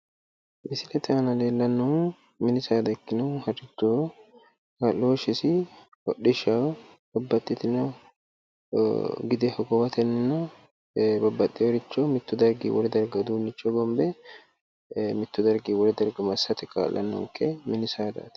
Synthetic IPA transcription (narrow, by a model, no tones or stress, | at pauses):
mɪsɪlɛt̪ɪɐnɐleːlːɐnːɔ | mɪnɪsaːd̪ɐkːɪnʊhɐɾɪt͡ʃːoː | kɐlːoːʃɪsɪ | wɔɗɪʃa | b̥ɐbːɐt̪ʼːɪt̪ɪnɔ | ɡɪd̪ɛhɔɡɔwɐt̪ʰɛnnɐ | bɐbːɐt̪ʼːɪɔɾɪt͡ʃːɔmɪt̪ːʊd̪ɐɾɡḭwɔ̰ɾɛd̪ɐɾɡɐd̪uːnːɪt͡ʃːɔɡɔmbɛ | mɪt̪ːʊd̪ɐɾɡiwɔɾɛd̪ɐɾɡɐmɐsːɐt̪ɪkʰa̰ːlːɐ̰nːɔ̰ŋkɛmɪnɪsaːd̪a̰ːt̪